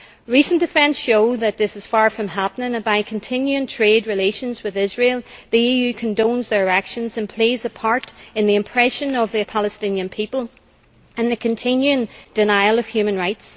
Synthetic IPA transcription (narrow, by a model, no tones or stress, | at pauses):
ɹisə̃nd̥ɨfɛ̃nsʃoʊðɨt̪̚ðɪsɨz̥faɹfɹʌ̃mɦapənɪ̃ŋbaɪkʰə̃n̩tʰɪ̃njʉɪ̃ŋtʰɹ̥ed̚ɹɨleʃə̃nzwɨðɪzɹelˠðiijʉkʰə̃ndõnzðə˞akʃə̃nzə̃npʰl̥ezəpʰaɹɾɨ̃nðiɨ̃mpʰɹ̥ɛʃə̃nʌvðipʰalˠəstɪ̃njɨ̃npʰipəlˠ | ə̃nðɨkʰɨ̃ntʰɪ̃njʉɪ̃ŋd̥ɨnaɪlˠʌv̥hjʉmə̃nɹaɪts